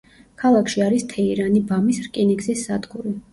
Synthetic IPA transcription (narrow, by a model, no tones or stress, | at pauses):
kʰalˠakʰʃiaɾist̪ʰɛiɾanibamisɾkʼiniɡzisːad̪ɡuɾi